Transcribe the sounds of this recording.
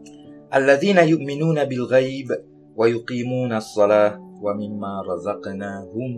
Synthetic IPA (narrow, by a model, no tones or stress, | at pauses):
ʔalːaðiːnajʊʔmɪnuːnabɪlɣajb | wajʊqiːmuːnaɑsˤːɑlaːwamɪmːaːɾˤɑzɑqnaːhʊm